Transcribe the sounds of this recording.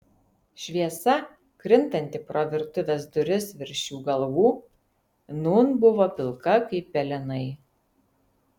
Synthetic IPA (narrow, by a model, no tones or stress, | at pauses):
ʃʲʋʲiɛsɐ | kɾʲɪnt̪ɐnʲt̪ʲɪpɾoʋʲɪɾt̪ʊʋʲɛsd̪ʊɾʲɪsʋʲɪɾʲʃʲuːɡɐlˠʋuː | nuːnbʊʋɔpʲɪlˠkɐkɐɪpʲːɛlʲɪnɐɪ